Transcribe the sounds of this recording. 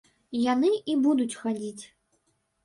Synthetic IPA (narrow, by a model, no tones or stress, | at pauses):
janɨibud̪ut͡sʲxad͡zʲit͡sʲ